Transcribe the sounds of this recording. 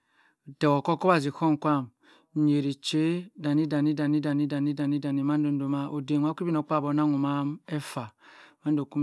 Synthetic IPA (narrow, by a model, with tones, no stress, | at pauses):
tɛ˨wo˨kɔ˦ko˦ba˨zi˨ko˦ŋ˨kʷa˦˨m˨ | ɲe˨ɾi˨t͡ʃe˦da˨ni˦da˨ni˦da˨ni˦da˨ni˦da˨ni˦da˨ni˦da˨ni˨ma˦n˦do˨n˦do˨ma˦ʔo˨de˨ŋ˨˦a˦ki˦bi˦no˨k͡pa˦˨bo˨˦na˦ŋu˨ma˦mɛ˦fa˨ma˦n˦do˨ku˦m